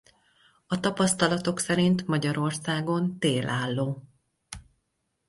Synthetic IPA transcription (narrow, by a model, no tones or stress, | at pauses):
ɒt̪ɒpɒst̪ɒlɒt̪o̞ksɛɾint̪mɒɟɒɾo̞rsaːɡo̞nt̪eːlaːlːoː